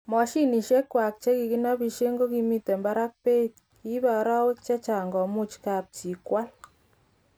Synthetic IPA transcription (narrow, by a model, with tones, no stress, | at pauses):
mɔ˨ʃi˦ni˨ʃe˦kːwa˨k̚t͡ʃe˦ki˨ki˦na˦bi˧ʃje˦ŋɡo˦ki˧mi˦te˨mba˦ɾa˦k̚pe˦t̚ | ki˦ba˨˦ɾa˦we˦kt͡ʃe˦t͡ʃa˨ŋɡɔ˨mu˦t͡ʃka˨p̚t͡ʃi˨kwa˦l